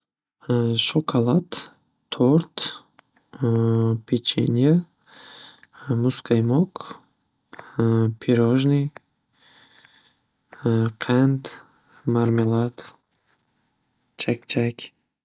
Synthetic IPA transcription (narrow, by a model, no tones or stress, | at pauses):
ʃokʰalˠat̪ʰː | oɾt̪ | pʰet͡ʃḛnʲa | muskajmok | pʲʰiɾoʒnɨj | qʰænt̪ | maɾmʲelˠat̪ | t͡ʃʰak̚t͡ʃʰækʲ